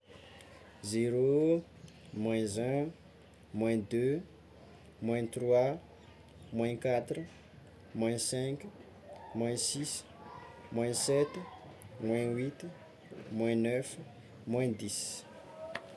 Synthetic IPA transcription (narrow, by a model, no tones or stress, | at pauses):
zeɾo | mwɛ̃zɛ̃ | mwɛ̃d̪ø | mwɛ̃t̪rwa | mwɛ̃kat̪ɾu | mwɛ̃sɛ̃k | mwɛ̃sis | mwɛ̃sɛt̪ | mwɛ̃wit̪ | mwɛ̃nœf | mwɛ̃d̪is